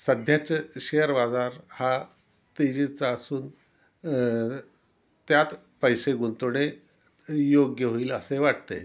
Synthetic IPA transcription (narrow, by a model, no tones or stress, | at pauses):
səd̪ʱjat͡ɕɕejəɾbad͡zaɾha | t̪id͡ʑit͡saːsuːn | t̪jat̪ | pəjseɡunt̪oɽ̃e | joɡjəɦoiːləseʋaʈ̚t̪ḛ